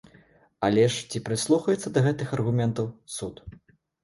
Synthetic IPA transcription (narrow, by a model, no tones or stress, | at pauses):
alʲɛʂt͡sʲipɾɨslˠuxɐjɛt̪sːɐd̪ɐɣɛt̪ɨxɐrɣumʲɛnt̪ɐwsut̪